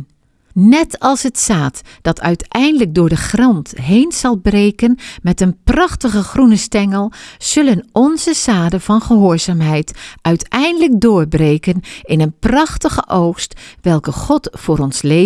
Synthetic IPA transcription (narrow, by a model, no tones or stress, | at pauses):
nɛtɑlˠshətsaːtd̥ɑtʰœɥtɛjndələk̚dʊːɹdəχrɑntɦejnz̥ɑlˠbrejkənmɛtənprɑχtəχəχrunəstɛŋəlˠz̥ɵlənɔnzəsaːdəvɑnχəɦʊːɹzaːmɦɛjtʔœɥtɛjndələk̚dʊːɹbrejkənɪnənprɑχtəχəʔowxstʋɛlˠkəχɔtfʊːɾɔnsle